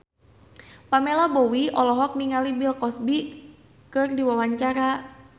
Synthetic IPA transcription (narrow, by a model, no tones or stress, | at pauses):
pamelɔbɔwiɔlɔɦɔk̚niŋalibilkɔsbi | kɨrdiwawaɲt͡ʃaɾa